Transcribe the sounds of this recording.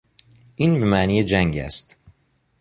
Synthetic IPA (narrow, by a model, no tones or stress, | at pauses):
ʔinbemæːniːjed͡ʒæŋɟæ̰st̪